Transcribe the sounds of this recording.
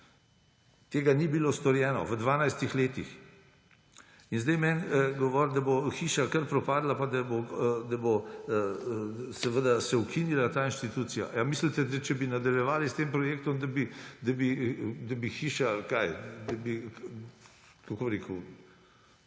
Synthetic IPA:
t̪eːɡanibilost̪ɔɾjɛːnɔ̰ʋəd̪ʋaːnajst̪ixleːt̪ḭx | inzd̪ɛjmɛnɡɔʋɔɾd̪aboxiːʃakəɾpɾɔpaːd̪lapad̪abod̪abo | sɛʋəd̪asɛukinilat̪aːinʃt̪it̪uːt̪sija̰jamislit̪ɛd̪ɛt͡ʃɛbinad̪ɐljɛʋaːlist̪eːmpɾɔjeːkt̪ɔmd̪abid̪abid̪ɐbixiːʃakajd̪ɐbi | kakoːbɾeːku

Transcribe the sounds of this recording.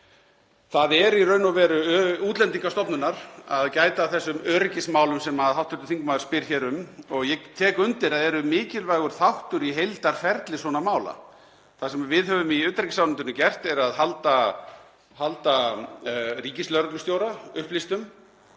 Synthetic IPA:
θaðɛɾirœːɥnavɛːɾʏuːt̪lɛnt̪iŋkast̪ɔpnʏnaɾ̥aðcaːjt̪aθɛsːʏmœːɾɪcɪsmaːwlʏmsɛmaðɦawht̪ʏɾt̪θiŋkmaːðʏɾ̥spɪɾ̥çɛːɾʏmɔɣjɛt̪ʰɛːkʏnt̪ɪɾaðɛɾʏmɪːcɪlvaːjɣʏɾ̥θawht̪ʏɾiɦejlt̪aɾ̥fɛɾt̪lɪsɔːnamaːwla̰ | θasɛmavɪðɦœvʏmiʏːt̪ɾɛcɪsawnɪnt̪ʏnʏcɛr̥t̪ɛɾaðɦalt̪a | halt̪a | ɾiːcɪslœɾt̪lʏst̪jowɾaʏhplist̪ʏm

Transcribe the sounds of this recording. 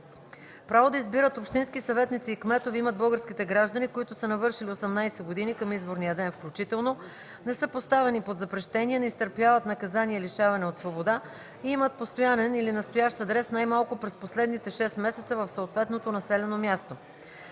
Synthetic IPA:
pɾavod̪ɐizbiɾət̪opʃt̪inskisɐvɛt̪nit̪siːkmɛt̪oviimətd̪̚bɤlˠɡəɾsk̟it̪ɛɡɾaʒd̪ənikoit̪ʊsənɐvɤɾʃiliosɛmnajsɛɡod̪inikəmizboɾnijəd̪ɛnfklʲut͡ʃit̪ɛlˠno | nɛsɤpost̪avɛnipod̪zɐpɾɛʃt̪ɛniɛnɛist̪əɾpjavət̪nɐkɐzaniɛliʃavɐnɛot̪svobod̪a | iimət̪̚post̪ojanɛnilinɐst̪ojaʃt̪ɐd̪ɾɛsnajmalˠkʊpɾɛsposlɛd̪nit̪ɛʃɛst̪mɛsɛt̪səvɐfsoːt̪vɛt̪not̪onɐsɛlɛnomʲjast̪o

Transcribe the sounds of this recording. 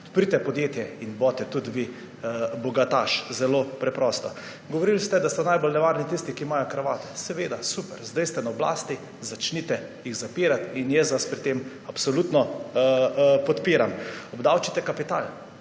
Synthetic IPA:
ɔt̪pɾit̪ɛpɔd̪jeːt̪jɛinbɔt̪ɛt̪ud̪ʋi | bɔɡat̪a̰ːʃzɛlopɾɛpɾɔst̪ɔ | ɡɔʋɔɾilst̪ɛd̪ast̪anajbɔlnɛʋaɾnit̪ist̪ikiːmajɔkɾaʋaːt̪ɛ̥sɛʋeːd̪asupɛɾzd̪ɛjst̪ɛnaɔbla̰ːst̪i | zat͡ʃnit̪ɛjixzapiːɾat̪injɛsʋaspɾit̪em | apsɔlut̪nɔ | pɔt̪piːɾamɔbd̪awt͡ʃit̪ɛkapit̪a̰ːl

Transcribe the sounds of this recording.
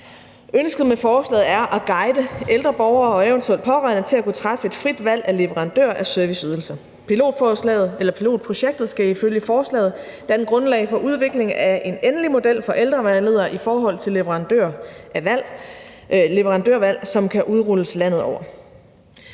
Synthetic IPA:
ønsɡ̥əð̩ˠmefɒːslɛ̰ːð̩ˠæɐʔæɡ̥ɑ̈ɪd̥əʔeld̥ʁɐb̥ɒʊɐːɒ̽eʊənt͡sʰuḛld̥̚pʰɒ̽ʁɑ̈ɪnət͡sʰe̝lækut͡sʰʁɑ̈fəe̝d̥fʁid̥ʋæl̰æle̝ʋəʁɑ̈nd̥ø̰ɐʔæsøɐʋisyð̞ˠl̩sɐ | pʰilo̝̰ːd̥fɒslɛ̰ːð̩ˠelɐpʰilo̝̰ːd̥̚pʰʁo̝ɕeɡ̥̚d̥ð̩ˠsɡ̥æiføljəfɒːslɛ̰ːð̩ˠ | d̥æɐnɡ̥ʁɔ̽nlɛ̰ɪfɒ̽ʔuð̞ˠʋe̝ɡ̥le̝ŋæʔe̝nenlimo̝d̥el̰fɒ̽ʔeld̥ʁɐʋæləð̰ˠɐʔifɒːɦɒ̽l̰t͡sʰe̝leʋəʁɑ̈nd̥øɐææl̰ | le̝ʋəʁɑ̈nd̥øɐ̰ʋæl̰sɒ̽mkʰæʔuðˠʁuləslæn̰ð̞̩ˠɒ̰ʊ̰ɐ

